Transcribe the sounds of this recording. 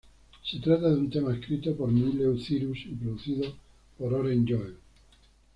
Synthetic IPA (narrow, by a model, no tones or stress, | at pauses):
se̞t̪ɾat̪aðeunt̪e̞maeskɾit̪o̞po̞ɾmilewθiɾusipɾoðuθiðo̞ | poɾoɾend͡ʒoeŋ